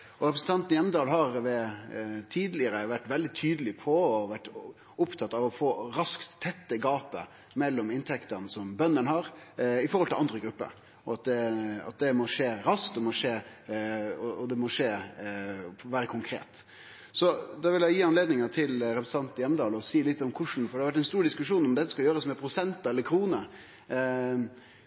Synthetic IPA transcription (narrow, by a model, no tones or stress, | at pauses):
ɔɾɛpɾsn̩t̪ɑnt̪n̩jɛmːəd̪ɑːlɦɑɾʋɛ | t̪ʰiːd̪lɪəɾəʋæʈːʋɛld̪ɪt̪ʰyːd̪əlɪpʰɔɔʋæʈː | ʊpt̪ʰɑt̪ːɑʋɔfoːɾɑskt̪ʰːɛt̪ːəɡɑːpə̰ | mɛlːɔmɪnt̪ʰɛkt̪ənəsɔmbœnːənɦɑɾɪfɔɾhɔlt̪ɪlɑnd̪ɾəɡɾʉpːə̰ɾ | ɔɑt̪̚d̪ɛɑ̰t̪̚d̪ɛmɔʂeːɾɑsk̚t̪ɔmɔʂeː | ɔɔd̪ɛmɔʂeː | ʋæːɾəkʰʊŋkʰɾḛːt̪ | sɔd̪ɑʋɪljæɪjiːɑnleːd̪nɪŋɑt̪ʰɪlɾɛpɾəsə̥nɑnt̪ɪjɛməd̪ɑːlɔsiːlɪt̪ːɔmkʰʊʂn̩fɔɾɛhɑɾʋæʈ̬ːɛnst̪uːɾɖ̪ɪskʉʂuːnɔmd̪ɛt̪ːəskɑljøːɾəsmɛpʰɾʊsɛnt̪ɑɛlːəɾkʰɾuːnə